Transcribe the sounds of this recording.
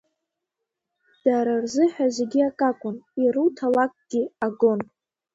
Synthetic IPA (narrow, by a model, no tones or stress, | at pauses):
d̥aɾarzɨħazeɡʲiakʼakʷʼʊniɾutʰalakʼɡ̥ʲiaɡo̞n